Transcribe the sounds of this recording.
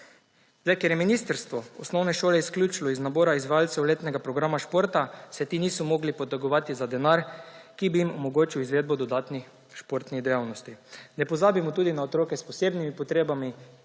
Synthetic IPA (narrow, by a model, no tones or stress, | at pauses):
zd̪ajkɛɾjɛminist̪əɾst̪ʋɔɔsnɔwnɛʃoːlɛisklʲjuːt͡ʃlɔiznaboːɾaizʋajalt̪sɛwleːt̪nɛɡapɾɔɡɾamaʃpoːɾt̪asɛt̪iːniːsɔmɔːɡlipɔt̪ɛɡɔʋaːt̪izad̪ɛnaɾkibijimɔmɔɡoːt͡ʃiwizʋeːd̪̚bɔd̪ɔd̪aːt̪nix | ʃpoɾt̪niɣd̪ɛjawnɔst̪inɛpɔzaːbimɔt̪uːd̪inaot̪ɾoːkɛspɔseːbnimipɔt̪ɾeːbami